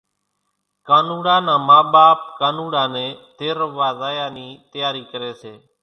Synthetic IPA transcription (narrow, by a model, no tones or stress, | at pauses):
kaːnuːɽãːnãːmaːɓaːp̚kaːnuːɽaːnẽːt̪eːɾəʋaːzaːjaːniːt̪əjaːɾiːkəɾeːseː